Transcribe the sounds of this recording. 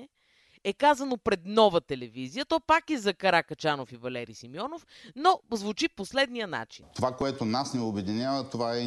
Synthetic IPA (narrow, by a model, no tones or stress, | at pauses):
ɛkazɐnopɾɛd̪nɔvət̪ɛlɛvizijət̪ɔpakizɐkɐɾakɐt͡ʃanofivɐlɛɾḭsimjɔnofnozvut͡ʃiposlɛd̪nijəna̰t͡ʃi̥nt̪ovakoɛt̪onasnɛobɛd̪inʲjavət̪ovaɛ